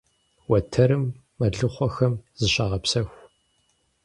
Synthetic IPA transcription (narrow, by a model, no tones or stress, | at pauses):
wɐtʰɐɾɨmː | ɐɮɨχʷɔxɐmz̥ɨɕaːʁɐpsɐxʷ